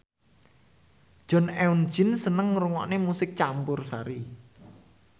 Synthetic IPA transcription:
ʒ̥ɔ̤nɛun̥d͡ʒɪ̤nsənəŋɾuŋɔ̰ʔnemusɪk̚t͡ʃampʊrsaɾi

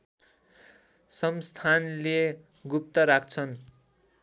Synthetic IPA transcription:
sʌmst̪ʰanle | ɡup̚t̪ʌɾak̚ʰt͡sʰʌn

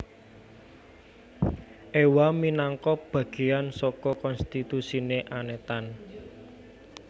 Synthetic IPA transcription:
ʔewaminaŋkɔb̥ä̤ɡ̥e̤jansɔkɔkɔnst̪it̪usineʔanet̪an

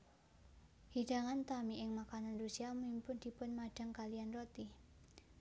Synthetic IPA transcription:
hid̥aŋant̪amiɪŋmakananrusiamimpʊnd̥̪i̤pʊnmad̥a̤ŋkalianrot̪ih

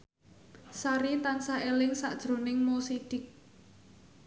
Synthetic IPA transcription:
saɾit̪ansaelɪŋsaʔd̥ʒ̥ɾo̤nɪŋmosiɖ̥ɪ̤k̚

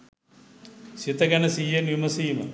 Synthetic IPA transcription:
sit̪ɐɡɐnɐsiɐnjumɐsiːmɐ̰

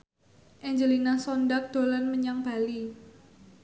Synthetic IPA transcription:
ʔɛɲd͡ʒəlinasɔndak̚d̪̥o̤lanməɲaŋb̥a̤li

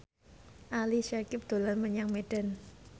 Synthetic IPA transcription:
ʔaliʃakɪp̚d̪̥o̤lanməɲaŋmeɖ̥a̤n

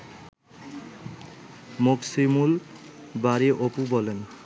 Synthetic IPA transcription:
moksimulbaɾiʔopubɔlen

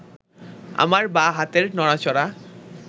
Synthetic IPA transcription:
a̰maɾbaɦat̪eɾnɔɽ̃at͡ɕɔɽa

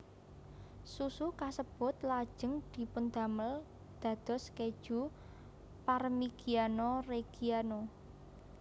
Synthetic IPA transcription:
susukasəb̥ɔ̤t̪lḁʒ̥ə̤ŋd̪̥i̤pʊnd̪a̤məl | d̪̥ä̤d̪̥ɔ̤sked̥ʒ̥ṳ | parmiɡianɔreɡ̥iano

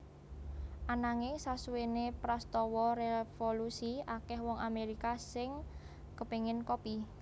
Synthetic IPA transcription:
ʔanaŋesasuwenepɾast̪ɔwɔɾefolusiakɛhwɔŋameɾikasɪŋ | kəpeŋɪnkopi

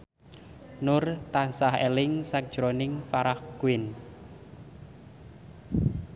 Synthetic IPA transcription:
nʊrt̪ansahelɪŋsak̚d̥ʒ̥ɾonɪŋfaɾahɡ̥uwɪn

